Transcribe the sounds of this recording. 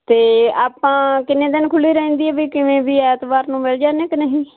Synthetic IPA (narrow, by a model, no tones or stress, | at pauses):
t̪eːaːpãːkɪnːẽːd̪ɪnkʰʊliːɾəɦɛ̃ːnd̪iːɛːbiːkɪʋẽːbiːɛːt̪baːɾnũːmeːld͡ʒaːneːkənɦĩː